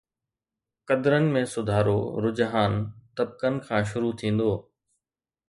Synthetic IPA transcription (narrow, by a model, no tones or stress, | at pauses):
kɐd̪ɾənɪ̆mẽsʊd̪ʱaːɾo̰ɾʊd͡ʑɦaːnt̪ɐb̚kənɪ̆kʰãːʃ̬ʊɾut̪ʰĩːn̆d̪oː